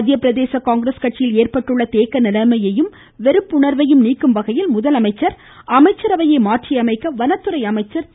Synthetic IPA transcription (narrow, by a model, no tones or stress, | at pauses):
d̪ɪjɐpːɪɾɐðeːsɐkaːŋɡɪɾeskɐʈt͡ʃːɪjɪleːrpɐʈːɯɭːɐt̪eːkɐnɪlɐmɐjɐjɯm | ʋɛɾɯpːʊɳɐɾʋɐjɯmniːkːɯmʋɐɣɐjɪlmʊðɐlɐmɐɪt͡ʃːɐɾ | ɐmɐɪt͡ʃːɐɾɐʋɐjɐɪmaːʈʈrijɐmɐɪkːɐʋɐnɐt̪ːɯɾɐɪɐmɐɪt͡ʃːɐɾ